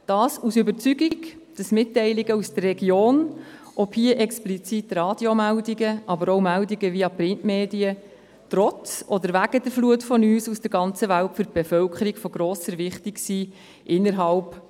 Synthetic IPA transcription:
d̥ɑːsusʏbəɾt͡syɡiɡ | d̥ɑsmɪtːɛɪliɡəusd̥ərːɛɡjoːn | ʔɔphiəʔɛksplit͡sitɾɑːd̥jomældiɡəʔɑbəɾɔwmældiɡəviɑpɾɪntmeːdiə | t̪ɾɔt͡sɔd̪əɾvæɡ̥ədəɾfluətfɔnyːsusd̥əɾɡɑnt͡səvæltfyɾt̚b̥efœlkʰəɾiɡ̥fɔɡɾoːsəɾvɪχtiksiː | ʔɪnːəɾɦɑlp

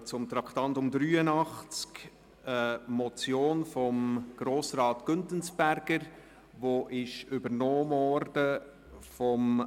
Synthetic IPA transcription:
t͡sʊmt̪ɾɑkχt̪ɑntʊmd̪ɾyːənɑχt͡sk | əmɔt͡sjoːnfɔmɡ̥ɾoːsɾɑːtɡ̥ʏntənsb̥æɾɡ̥əɾ | ʋoʔɪʃʏbəɾnɔːmɔɾdə | fɔm

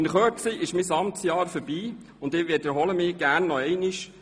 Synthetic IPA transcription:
ɪnχøːsiʔɪʃmisɑmtsjɑːɾfəɾb̥iː | ʊndɪʋɪtɛɾɦɔləmɪːɡ̥æːɾnːɔɛɪniʃ

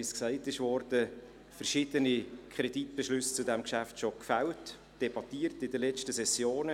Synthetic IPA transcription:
isksæɪtɪʃvɔrd̥ə | fəɾʃɪd̥̪ənikʰχʁɛd̥itb̥ɛʃlʏst͡sudɛmkʃæftʃokfælt | d̥ɛbɑtiːrtɪdəlɛt͡ʃtəsɛsjoːnə

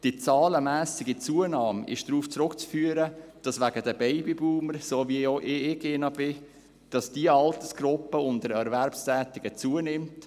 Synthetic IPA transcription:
d̥it͡sɑːləmæːsɪɡit͡suənɑːmɪ̰ʃd̥ɾuːft͡sɾʊkt͡sfyːəɾəd̥ɑsʋæɡədəbɛɪbibuːməɾsoːvioʔɪɪɡɪnɑbɪ | d̥ɑsd̥iəɑltəsɡ̥ɾʊpːəʊndəɾɛɾvɛɾpstɛːtɪɡ̥ət͡suənɪmt

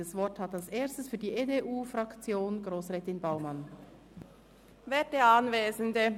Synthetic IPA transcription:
əsvɔthɑtalseːɐstəsfyːɐdiːʔeːdeʔuːfʁɑkt͡sjoːnɡʁoːsʁɛːtɪnbaʊmɑn | veːt̚dəɑnveːzəndə

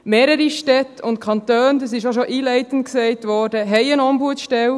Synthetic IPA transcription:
meːɾəɾiʃtɛtʊnt̚kʰɑnt̪øːnd̪ɑsɪʃoʃoʔiːlɛɪtən̩t̚ksɛɪtʋɔːɾdəɦɛɪənɔmbuətʃtɛl

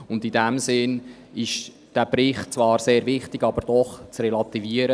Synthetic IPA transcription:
ʊndidɛmsɪn | ɪʃ | d̥æːb̥ɾɪχtt͡svɑːɾseːɾvɪχtɪɡ̥ɑbəɾd̥ɔχt͡srɛlɑt̪iviəɾə

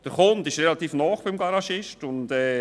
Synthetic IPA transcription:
d̥əɾχʊndɪʃɾɛlɑt̪iːfnɔːχb̥ɪmɡɑɾɑʃɪʃtʊntɛː

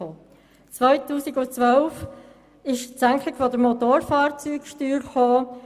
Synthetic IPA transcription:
oː | t͡sʋœʏtuːsɪɡʊt͡sʋœlf | ɪʃsæŋklɪkfɔdəɾmot̪oːɾfɑːɾt͡syːkʃtyːɾχoː

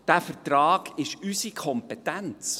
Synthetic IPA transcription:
d̥æfəɾtɾɑːɡ̥ɪʃysikʰɔmpɛt̪ænt͡s

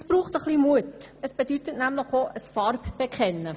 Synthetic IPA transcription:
əsb̥ɾuːχtəχlimuətəsb̥edytətnæmləχoʔəsfɑɾbb̥ekχɛnːə

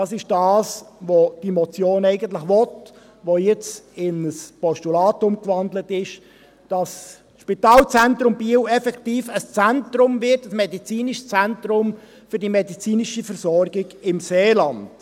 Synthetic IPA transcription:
ɑːsɪʃd̥ɑːsʋod̥imɔt͡sjoːnɛɪɡəntlɪχʋɔt | ʋojɛt͡sɪnəspɔʃtulɑːtʊmkʋɑndlətɪʃ | d̥ɑs | ʃpitɑːlt͡sɛntɾʊmbiəwɛfɛktiːfəst͡sæntɾʊmvɪtəsmɛdit͡siːniʃst͡sæntɾʊm | fʏɾdimɛdit͡siːniʃifəɾsɔɾɡɪɡɪmseːlɑnd̥

